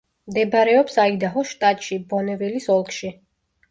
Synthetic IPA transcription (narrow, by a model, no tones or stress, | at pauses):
md̪ɛbɾɛɔpsaid̪aɦɔʃt̪ʼat̪ʼʃibɔnɛvilisɔlˠkʰʃi